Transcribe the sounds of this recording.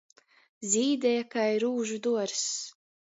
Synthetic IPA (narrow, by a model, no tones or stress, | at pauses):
zʲiːd̪ʲɛjakajɾuːʒud̪uɔɾs